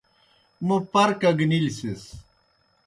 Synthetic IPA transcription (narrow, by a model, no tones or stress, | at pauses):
mupɐɾkɐɡnilsis